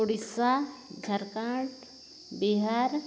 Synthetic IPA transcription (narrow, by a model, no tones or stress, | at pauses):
ʊɽisaɡʱɐɾkãːʈ | biɦaːɾ